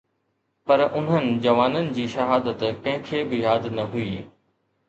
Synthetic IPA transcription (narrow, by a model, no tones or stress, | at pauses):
pɐɾʔʊn̤ənɪ̆d͡ʑɐʋaːnənɪ̆d͡ʑiːʃɐɦaːd̪ət̪kɐ̃ɦɪ̃kʰebɪjaːd̪nɐɦuiː